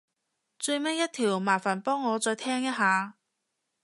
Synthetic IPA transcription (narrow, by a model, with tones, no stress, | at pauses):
t͡sɵ˧jmɐ˥jɐ˥t̪ʰiː˨˩wmaː˨˩faː˨˩npɔː˥ŋːɔː˨˧t͡sɔː˧jt̪ʰɛː˥ŋjɐ˥t̚ɦaː˨˧